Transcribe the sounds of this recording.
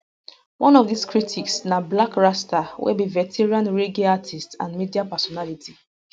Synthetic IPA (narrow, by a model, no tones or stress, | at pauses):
wʔɔ̃nɔvdiskɹitʰiksnablakɹastawɛ̰bivɛtʰɛɹãnɹeɡeatʰistsã̰nmidiapɛsɔnaliti